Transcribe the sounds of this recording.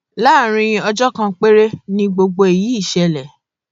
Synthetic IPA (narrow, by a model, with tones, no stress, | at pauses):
la˦˨ɾ̃ĩ˧ĩ˧ɔ˧d͡ʒɔ˦kã˧k͡pe˦ɾe˦nĩ˦ɡ͡bo˧ɡ͡bo˧e˨ji˨˦i˦˨ʃɛ˧lɛ˨